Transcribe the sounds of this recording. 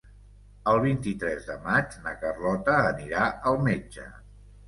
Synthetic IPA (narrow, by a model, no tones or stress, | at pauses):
əlˠβ̞int̪it̪ɾɛzðəmad͡ʒnəkərlɔt̪əːniɾaəlˠmed͡ʒə̰